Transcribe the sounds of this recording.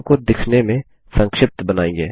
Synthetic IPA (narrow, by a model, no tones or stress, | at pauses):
kod̪ɪkʰnemẽ | sə̃ŋkʃɪp̚t̪bənaːẽŋɡeː